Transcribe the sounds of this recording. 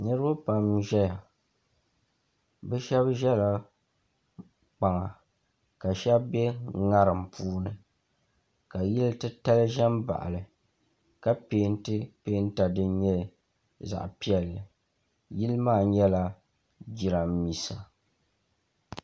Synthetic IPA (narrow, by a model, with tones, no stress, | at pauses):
nɨ˦ɾɨ˦ba˦pa˨mʒɛ˦ja˨ | bɛ˦ʃɛ˦bʒɛ˦la˨ | k͡pa˨ŋa˨ | ka˨ʃɛ˦bbɛ˦ŋa˦ɾɨ˨m˨pʰuː˦nɨ˨ | ka˨ji˦ltɨ˦ta˦lɨ˦ʒɛ˦mba̰˨ʔa̰˨lɨ˨ | ka˦peː˦n˦tɨ˦peː˦n˦ta˨dɨ˦ɲɛ˦ | za̰˨ʔpi˦ɛ˨lɨ˨ | ji˦lɨ˦maː˦˨ɲɛ˦la˦ | d͡ʒi˨ɾa˨m˦mi˨sa˨